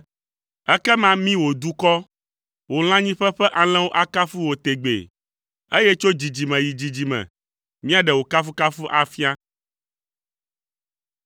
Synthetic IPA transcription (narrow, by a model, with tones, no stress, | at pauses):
ɛ˦kɛ˦mã˦mĩ˦wo˨d̪u˦kɔ˦ | wo˨l̃ã˦ɲĩ˦ɸɛ˦ɸɛ˦ʔa˨l̃ɛ̃˦wo˦ʔa˦ka˦fu˦wo˨t̪e˨ɡ͡bḛ˨ | e˦jɛ˦t͡ʃo˦d͡ʑi˨d͡ʑi˨mɛ̃˨ji˨d͡ʑi˨d͡ʑi˨mɛ̰̃˨ | mĩ˦a˨ɖɛ˨wo˨ka˦fu˦ka˦fu˦ʔa˨fi˦a˦